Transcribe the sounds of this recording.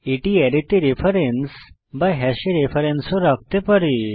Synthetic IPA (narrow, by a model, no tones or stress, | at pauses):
iʈiɛɾit̪iɾefʰəɾens | bajɦɛɕiɾefʰəɾensũɾak̚t̪epəɽi